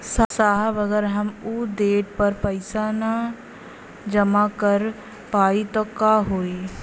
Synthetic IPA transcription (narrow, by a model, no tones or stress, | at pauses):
sasaːɦaʋɐɡəɾɦɐmud̪eːʈpɐɾpɐɪsana | d͡ʒɐmakɐɾ | paːit̪ɔkaːɦoːiː